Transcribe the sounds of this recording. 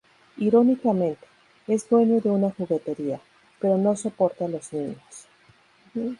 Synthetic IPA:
iɾo̞nikamẽ̞nt̪e̞̥ | e̞zd̪we̞ɲo̞ðe̞unaxuɣe̞t̪e̞ɾia | pe̞ɾo̞no̞so̞po̞ɾt̪alo̞znĩɲos̩

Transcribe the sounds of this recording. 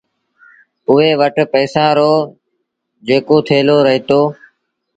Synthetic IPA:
ʊɦeːʋəʈpəːsãːɾoː | d͡ʒeːkoːt̪ʰeːloːɾəɦiːt̪oː

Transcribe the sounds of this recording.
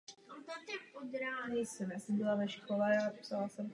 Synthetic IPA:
ont̪at̪akod̪ɾaːɦɛjsɛmjaːsɛmbɪlavɛʃkolɛapsalasɛm

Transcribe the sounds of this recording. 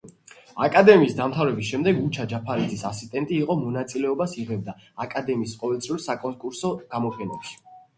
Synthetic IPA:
a̰kʼad̪ɛmiːsd̪amt̪ʰavɾɛbisʃɛmd̪ɛɡut͡ʃʰad͡ʒapʰaɾid̪zisasist̪ʼɛnt̪ʼiːqʼɔmɔnat̪sʼilɛɔbasiʁɛb̚d̪aakʼad̪ɛmiːsqʼɔvɛlt̪sʰvulˠsakʼɔkʼuɾsɔɡ̥amɔpʰɛnɛ̰pʃi̥

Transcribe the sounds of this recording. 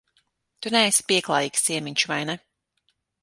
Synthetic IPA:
t̪unɛːspiɛklˠaːjiːksiɛmiɲʲt͡ʃuvajnɛ

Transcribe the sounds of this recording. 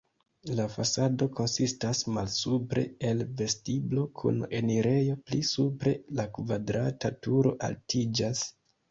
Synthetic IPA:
lafasado̞ko̞nsistasmalsupɾe̞̰elve̞stiblo̞kʰṵne̞niɾe̞jo̞plisupɾe̞lakvadɾatatuɾo̞̰ʔa̰ltid͡ʒas

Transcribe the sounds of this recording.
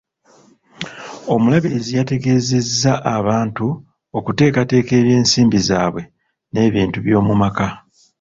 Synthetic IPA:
o̞mulaβilizijate̞ɡe̞ːzezːaʔaβaːntu | o̞kute̞ːkate̞ːke̞ːβje̞ːnsiːmbizaːβwe̞ | ne̞ːβiːntuβjo̞ːmumaka

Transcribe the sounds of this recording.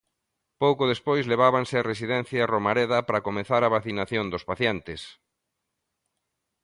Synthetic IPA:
powkʊðespojsleβ̞aβansɪaresiðɛn̟θjaromaɾeðɐpɾakomeθaɾaβaθinaθjond̪ospaθjɛnt̪ɪs

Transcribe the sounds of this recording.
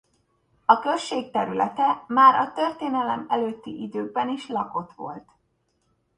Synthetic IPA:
ɒkøʃeːk̚t̪ɛɾylɛ̰t̪ɛmaːɾɒt̪ørt̪eːnɛlɛmɛløːt̪ːiʔid̪øːɡ̚bɛniʃlɒko̞t̪ʋo̞̰lt̪

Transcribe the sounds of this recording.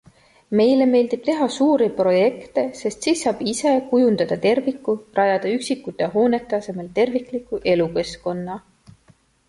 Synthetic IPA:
me̞jle̞me̞ːld̪̥ib̥t̪e̞ɦɑsuːɾipro̞je̞kt̪e̞se̞st̪siːsːɑːb̥ise̞kujund̪ɑd̪̥ɑt̪e̞rvikːˑurʔɑjɑd̪̥ɑyksikːut̪ːˑeɦo̞ːne̞t̪ːˑeɑse̞melt̪e̞rvikˑlikːˑuʔe̞luke̞sko̞nːɑ

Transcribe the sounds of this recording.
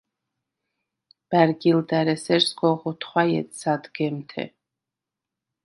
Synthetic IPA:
b̥æɾɡild̪ɛɾɛsɛɾsɡɔʁɔt̪ʰχwajɛ̰t̪sad̪ɡɛmt̪ʰɛ̰

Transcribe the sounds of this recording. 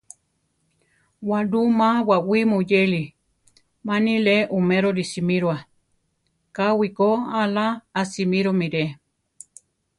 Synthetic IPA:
waɾumãwawimujeli | manileʔumeɾoɾisimiɾwa | kawikoalaːsimiɾomiɾe

